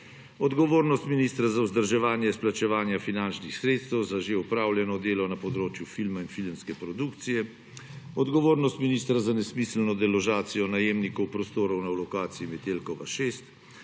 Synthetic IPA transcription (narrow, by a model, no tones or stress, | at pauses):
ɔd̪ɡɔʋoːɾnɔst̪minist̪ɾazawzd̪əɾʒɛʋaːnjɛsplat͡ʃɛʋaːnjafinant͡ʃnixsɾeːt̪st̪ɛwzaʒeupɾaːwljɛnɔd̪eːlɔnapɔd̪ɾoːt͡ʃjufilmainfilmskɛpɾɔd̪ukt̪sijɛ | ɔd̪ɡɔʋoːɾnɔst̪miniːst̪ɾazanɛsmisl̩nɔd̪ɛlɔʒaːt̪sijɔnajeːmnikɔwpɾɔst̪oːɾɔwnalɔkaːt̪siimɛt̪elkɔʋa̰ʃeːst̪